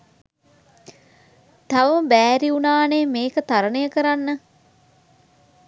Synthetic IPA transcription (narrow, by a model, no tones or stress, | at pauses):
t̪aʋəməbæːɾiunaːneːmeːkət̪aɾənəjəkəɾanːə